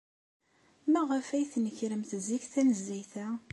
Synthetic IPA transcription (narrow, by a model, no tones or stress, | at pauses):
mæʁəfæjθnəçɾəmθziçθænəzːæjθæ